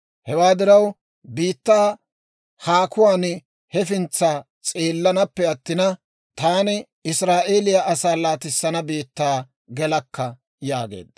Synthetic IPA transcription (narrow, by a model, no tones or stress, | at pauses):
hɛwaːd̪ɪɾɐw | biːt̪ːaː | haːkʊwaːn | hɛfɪnt͡sːaː | t͡sʼeːlːɐnɐpːɛɐt̪ːɪnɐ | t̪aːnɪ | ɪsɾaːʔeːlɪjaʔɐsaːlaːt̪ɪsːɐnɐbiːt̪ːaː | ɡɛlɐkːɐ | ja̰ːɡe̞̰ːd̪ɐ